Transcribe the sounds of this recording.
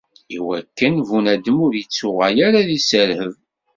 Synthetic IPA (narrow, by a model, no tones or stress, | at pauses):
iwækːənvunæd̪əmʊɾjət͡sːʊʁæjaɾaðisəɾhəv